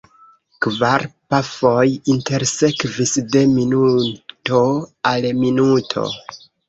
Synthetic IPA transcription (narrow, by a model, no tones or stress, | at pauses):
kvaɾpafo̞jinte̞ɾse̞kvisde̞minuto̞alminutʰo̞̰